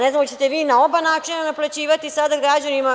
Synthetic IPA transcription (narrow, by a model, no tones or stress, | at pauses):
neznmt͡ɕe̞t̪eʋiːnao̞banaːt͡ʂinanaplat͡ɕiːʋat̪isad̪aɡɾad͡ʑanima